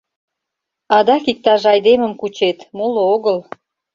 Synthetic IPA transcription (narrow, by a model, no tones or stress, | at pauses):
ɑd̪ɑkik̚t̪ɑʒɑjd̪eməmkut͡ɕet̪molooɣəl